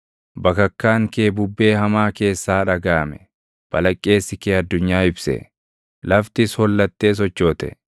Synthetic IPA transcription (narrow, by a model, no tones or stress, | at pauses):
bɐkɐkːaːŋkeːbʊbːe̞ːhɐmaːke̞ːsːaːᶑɐɡaːmɛ | b̥ɐlɐkʼːe̞ːsːɪkeːɐd̪ːʊɲːaːɪbsɛ̰ | lɐft̪ɪshɔlːɐt̪ːe̞ːs̬ɔt͡ʃːoːt̪ɛ̰